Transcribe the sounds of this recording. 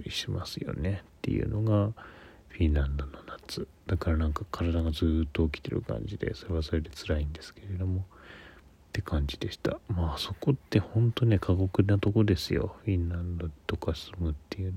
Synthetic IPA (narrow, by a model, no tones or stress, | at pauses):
ɾʲḭɕima̰sɨjo̞̰ne̞t̪ːe̞̰jɯ̰no̞̰ɡa | ɸʲĩnlãnd̪o̞no̞nat͡sɨ | d̪̥akaɾanãŋkakʰaɾad̪aɡazɨːt̪ːoːkʲi̥t̪e̞̰ɾɯ̰kã̰ɲd͡ʑid̪e̞̰so̞ɾe̞βaso̞ɾe̞d̪e̞t͡sɨɾaĩnd̪e̞sɨ̥ke̞ɾe̞d̪o̞mo̞ | t̪ːe̞kʰãɲ̟d͡ʑid̪e̞ɕi̥t̪a̰maːso̞ko̞t̪ːe̞hõ̞nt̪one̞kʰaɡo̞kɯ̟nat̪o̞ko̞d̪e̞sɨjo̞̰ɸʲĩnãnd̪o̞t̪o̞kasɨmɯ̟t̪ːe̞jɯ̟